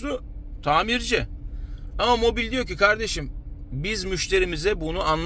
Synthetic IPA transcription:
ʊt̪ʰaːmiɾd͡ʒɪ | amamo̞bilʲd̪ijo̞cikʰaɾd̪e̞ʃimbizmyʃt̪ʰe̞ɾimizɛbunuanlˠ

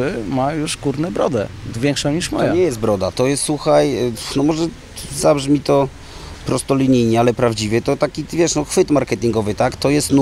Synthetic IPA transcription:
ɘmajuʂkuɾnɛbɾɔ̰d̪ɛ̰vʲjɛŋkʂɔ̃ɲiʂmɔ̰jaɲɛjɛst̪bɾɔd̪a̰t̪ɔjɛst̪swuxajnɔmɔʐɛ | zabʐmʲit̪ɔ | pɾɔst̪ɔlʲiɲijɲɛalɛpɾavd͡ʑivʲɛt̪ɔt̪akʲivʲjɛʂnɔxfɘt̪maɾkɛt̪ʲiŋɡɔvɘt̪akt̪ɔjɛst̪n

